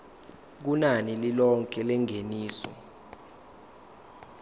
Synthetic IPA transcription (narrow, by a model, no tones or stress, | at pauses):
k̬unanililɔŋkʼɛlɛŋʱeniːsɔ̰